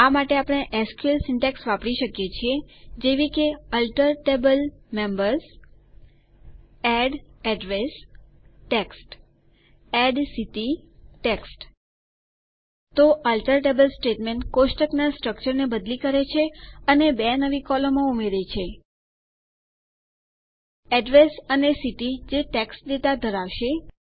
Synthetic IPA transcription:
amaʈeapɽ̃eʔɛskuəlsɪɳʈeksʋapɽiʃəkjet͡ʃʰied͡ʒeʋikeəlʈəɾʈebəlmembəɾz | ɛɖɛɖɾes | ʈeksʈ | ɛɖsit̪iʈeksʈ | t̪oʔəlʈəɾʈebəlsʈeʈmeɳʈkoʃʈəknasʈɾək̚t͡ʃəɾnebəd̪likəɾet͡ʃʰeənebɛnəʋikɔlomãumeɾet͡ʃʰe | ɛɖɾesənesiʈid͡ʒeʈeksʈd̪et̪ad̪ʱəɾaʋʃe

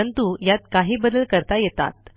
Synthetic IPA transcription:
ənt̪ujat̪̚kaɦiːbəd̪əlkəɾt̪ajet̪a̰t̪̚

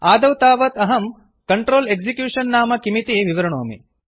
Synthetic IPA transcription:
aːd̪ɐwt̪aːʋɐt̪ɐɦɐm | kɐɳʈɾoːleɡsikjuːʂɐnːaːmɐkimit̪iʋiʋɐɾɐɳoːmḭ

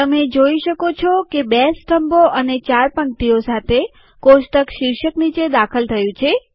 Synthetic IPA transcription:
t̪əmed͡ʒoiʃəkot͡ʃʰɔkebesʈʰəmboʔənet͡ʃaɾpəɳt̪iosat̪ʰe | koʃʈ̪əkʃiɾʃəknit͡ʃed̪akʰəlt̪ʰəjũt͡ʃʰe

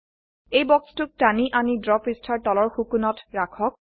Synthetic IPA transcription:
ejbɔkstʊk̚taniʔanidɹɔpistʰaɹtɔlɔɹxukunɔtɹakʰɔk̚

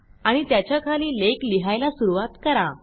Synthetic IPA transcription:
aɽ̃it̪jat͡ɕjakʰaliːlekliɦajlasuɾuʋat̪kəɾa

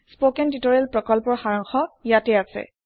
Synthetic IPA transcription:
spokɛnditɔɹɛlpɹɔkɔlpɔɹxaɹɔŋxɔjatɛasɛ̰

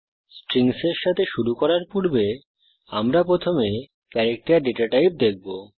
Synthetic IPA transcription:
sʈɾiŋseɾʃat̪ʰeʃuɾukɔɾaɾpuɾbe | amɾapɾot̪ʰome | kɛɾek̚ʈaɾɖeʈaʈajp̚d̪ek̚bo

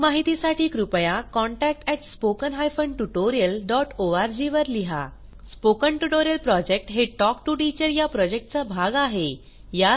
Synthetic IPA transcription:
maɦit̪isaʈiːkɾupəjakɔ̃ɳʈæk̚ʈɛʈspokənɦajfəɳɖʈuʈoɾijəlɖɔʈoaɾd͡ʑiʋəɾliɦa̰ | spokəɳʈuʈoɾijəlpɾɔd͡ʑek̚ʈɦeʈɔkʈuʈit͡ɕəɾjapɾɔd͡ʑek̚ʈ̚t͡sabʱaɡaɦe | ja

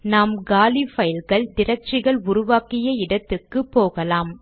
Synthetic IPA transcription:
naːmɡaːlifɐjɪlɣɐɭd̪ɪɾɐt͡ʃːɪɣɐɭʊɾʊʋaːkɪjɐɪɽɐt̪ːɯkːɯpːoːɣɐlaːm

